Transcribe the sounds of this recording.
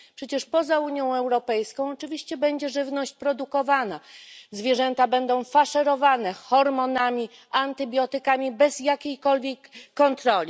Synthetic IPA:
pʂɛt͡ɕɛʂpɔzauɲjɔ̃w̃ɛwɾɔpɛjskɔ̃w̃ɔt͡ʂɘvʲiɕt͡ɕɛbɛɲd͡ʑɛʐɘvnɔɕt͡ɕpɾɔd̪ukɔvanazvʲjɛʐɛnt̪abɛnd̪ɔ̃w̃faʂɛɾɔvanɛxɔɾmɔnamʲi | ant̪ɘbʲjɔt̪ɘkamʲibɛz̥jakʲejkɔlvʲjɛkːɔnt̪ɾɔlʲi

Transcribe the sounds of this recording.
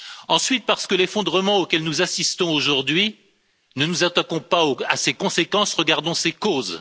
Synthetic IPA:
ɑ̃sɥit̪̚paʁsə̥kəlefɔ̃d̪ʁəmɑ̃okʲɛlnuzasist̪ɔ̃oʒuʁd̪ɥi | nənuzat̪akɔ̃paoasekɔ̃sekɑ̃sʁəɡaʁd̪ɔ̃sekoːz

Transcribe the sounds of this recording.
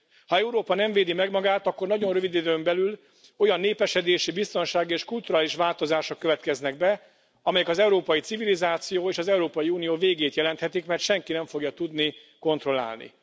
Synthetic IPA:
hɒɛuɾoːpɒnɛɱveːd̪imɛɡmɒɡaːt̪ɒkːo̞rnɒɟo̞nrøvid̪id̪øːmbɛlyl | o̞jɒnːeːpɛʃɛd̪eːʃibist̪o̞nʃaːɡieːʃkult̪uɾaːliʃʋaːlt̪o̞zaːʃo̞kːøvɛt̪kɛznɛɡ̚bɛ | ɒmɛjɛkɒzɛuɾoːpɒjit̪sivilizaːt̪sijoːeːʃɒzɛuɾoːpɒjiuːnijoːveːɡeːt̪jɛlɛnt̪hɛt̪ikmɛrt̪ʃɛŋkinɛɱfo̞ɡjɒt̪ud̪ni | ko̞nt̪ro̞la̰ːlnḭ

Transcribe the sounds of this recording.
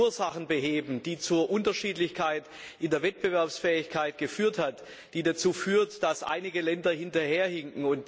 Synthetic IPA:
ɐzaχn̩bəɦeːbm̩d̥iːt͡suːɐʔʊntɐʃiːtlɪçkʰaɪt | ʔɪndeːɐvɛt̚b̥əvɛɐpsfɛːɪçkʰaɪt̚ɡ̥əfyːɐthat | d̥iːdat͡suːfyːɐtd̥asʔa̰ɪnɪɡəlɛndɐhɪntɐheːɐhɪŋkŋ̩ʊnt

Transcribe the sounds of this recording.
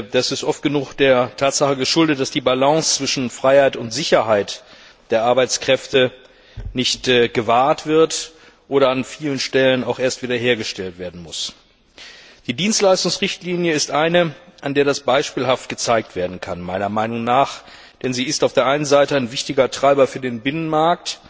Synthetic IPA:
d̥asɪstʔɔft̚ɡ̥ənuːxd̥eːɐtʰaːtz̥aχəɡəʃʊldət̚d̥asd̥iːbalaŋst͡sv̥ɪʃn̩fʁ̥aɪhaɪtʊntz̥ɪçɐɦaɪt | d̥eːɐʔaɐbaɪt͡skʁ̥ɛftə | nɪçtːɡ̥əvaːɐtv̥ɪɐt | ʔoːɾɐanfiːlənʃtɛlənaʊxʔeːɐstv̥iːdɐɦeːɐɡəʃtɛltv̥eːɐdn̩mʊs | d̥iːdiːnstlaɪstʊŋsʁɪçtliːnjəɪstʔaɪnəʔandeːɐɾasb̥aɪʃpiːlɦaft̚ɡ̥ət͡saɪk̚tv̥eːɐdn̩kʰanmaɪnɐmaɪnʊŋnaːχ | d̥ɛnziːɪstaʊfd̥eːɐʔaɪnənzaɪtəaɪnvɪçtɪɡɐtʁ̥aɪbɐfyːɐdeːnbɪnənmaɐk̚t

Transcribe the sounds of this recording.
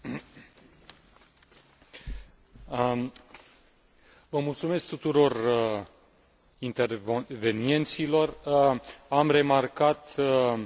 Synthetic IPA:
vəmult̪sume̞sk̚t̪ut̪uɾo̞r | int̪erve̞nie̞nt̪silo̞r | amre̞markat̪

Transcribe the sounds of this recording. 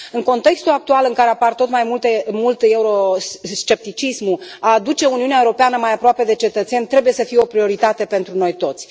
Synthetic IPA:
ɨŋko̞nt̪e̞kst̪ulak̚t̪ualɨŋkaɾe̞apart̪o̞t̪majmult̪emult̪euɾost͡ʃe̞p̚t̪it͡ʃismuaːd̪ut͡ʃe̞uniuneaeuɾo̞peanəmajapɾoape̞d̪e̞t͡ʃe̞t̪ət̪se̞nʲt̪ɾe̞buje̞səfijeo̞pɾio̞ɾit̪at̪e̞pe̞nt̪ɾuno̞jt̪o̞t̪sʲ

